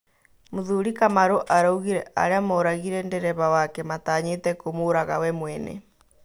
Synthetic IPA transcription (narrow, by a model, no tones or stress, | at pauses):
moðuɾikamaɾoʔaɾauɣiɾɛʔa̰ɾeamoɾaɣiɾɛndɛɾɛβawakɛmataːɲetɛkomoɾaɣa̰wɛmwɛnɛ̰